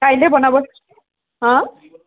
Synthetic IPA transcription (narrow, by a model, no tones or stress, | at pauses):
ajlebʌnabʌs | ɦʌ̃